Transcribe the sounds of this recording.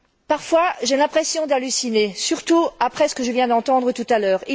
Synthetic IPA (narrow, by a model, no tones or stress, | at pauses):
paʁfwaʒelɛ̃pχɛsjɔ̃d̪alysinesyʁt̪uapχɛsə̥kəʒəvjɛ̃d̪ɑ̃t̪ɑ̃d̪ʁət̪ut̪alœːʁi